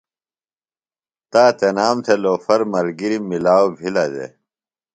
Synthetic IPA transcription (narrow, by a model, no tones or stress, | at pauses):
t̪aːt̪enaːmt̪ʰeloːfɐɾmɐɾɡiɾimilaːobʱilad̪ḛ